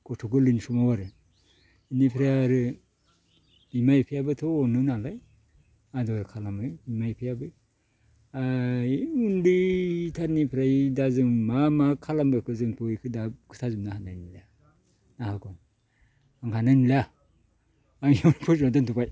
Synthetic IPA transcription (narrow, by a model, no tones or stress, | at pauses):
kʰɔtʰɔɡɯlɯnsumawaɾɯ | inipʰɾajaɾɯ | imajpʰijabɯtʰɔːnɯnalaj | adɔɾɯkʰalamɯjimajpʰijabɯ | ajunditʰaɾnipʰɾajdazɯmamakʰalambɯkʰɯzɯnpʰɯikʰɯdakʰɯtʰazumnahanajnila | nahakɔn | aŋhananila | aŋjawnpʰɔsmadantʰupaj